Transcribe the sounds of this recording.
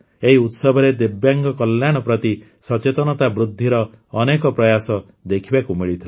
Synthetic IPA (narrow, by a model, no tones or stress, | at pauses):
eɦiut̪sɔbʱɔɾed̪ebjaŋɡɔkɔljaɽ̃ɔpɾɔt̪i | sɔt͡ʃet̪ɔnɔt̪abɾud̪ʱːiɾɔː | nekɔpɾɔjasɔ | d̪ekʰibakumiɭit̪ʰila